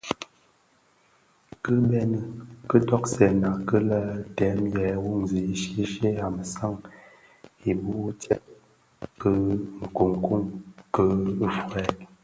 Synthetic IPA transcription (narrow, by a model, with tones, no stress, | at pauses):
kə˦bɛ˦nə˨kə˦tɔ˦k̚sɛ˨na˨kə˦la˦tɛ˨˦mjɛ˨˦wu˦˨ŋzi˨i˦ʃe˦ʃe˦a˨mə˨sa˦˨ŋ | i˨bu˦tɛ˦t̚ | kə˦ŋ̩˨ko˨ŋku˦˨ŋkə˦fwɛ˨˦